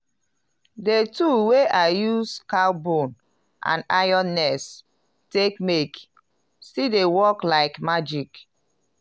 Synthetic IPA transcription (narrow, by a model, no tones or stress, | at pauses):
detuweʔaɪjuskalbõn | ʔã̰naɪjɔ̃nːɛs | tekmek | sidewɔklaɪkmad͡ʒik